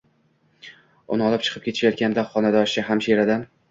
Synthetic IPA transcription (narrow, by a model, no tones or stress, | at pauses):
ʊnɨɒlˠɪp̚t͡ʃʰɨ̥qʰɨpkʲʰet̪ʰɪ̥ʃajɒt̪̚kʲand̪aχɒnad̪ɒʃɪɦamʃeɾad̪an